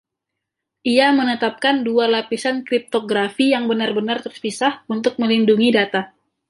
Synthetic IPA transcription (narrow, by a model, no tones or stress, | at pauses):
ʔiamənət̪ap̚kandualapisankɾip̚t̪oɡɾafijaŋbənarbənart̪ərspisahunt̪ʊk̚məlinduŋidat̪a